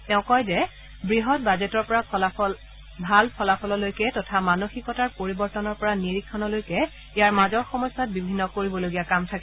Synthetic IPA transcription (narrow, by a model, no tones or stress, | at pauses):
tɛʊ̃kɔjzɛ | bɹiɦɔt̚bazetɔɹpɔɹa | bʱalpʰɔlapʰɔlɔlojkɛtɔtʰamanoxikɔtaɹpoɹibɔɹtɔnɔɹpɔɹaniɹikʰːɔnɔlojkɛ | ijaɹmazɔɹxɔmɔjsːat̚bibʱinːɔkoɹibɔloɡijakamtʰakɛ